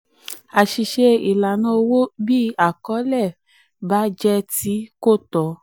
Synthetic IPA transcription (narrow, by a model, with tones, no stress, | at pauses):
a˨ʃi˨ʃe˧i˨la˨nã˧˦o˧wo˦bi˦a˦˨kɔ˨˦lɛ˦˨ | ba˨˦d͡ʒɛ˦˧ti˨˦ko˦˨tɔ˨˦